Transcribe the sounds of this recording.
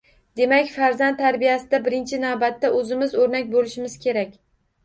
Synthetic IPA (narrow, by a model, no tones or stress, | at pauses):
d̪̥e̞makʲfaɾzant̪ːʰaɾbijasɪd̪abɪɾɪnt͡ʃʰɪnavbat̪ːaʔɵzɪmɪzoɾnak̚ʲbolɪʃɪmɪz̥kʲʰe̞ɾakʲ